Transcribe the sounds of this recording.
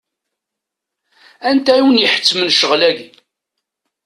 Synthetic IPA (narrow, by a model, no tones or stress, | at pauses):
ænt̪æjiwənjəħə̥t͡sːmənʃəʁlæɡi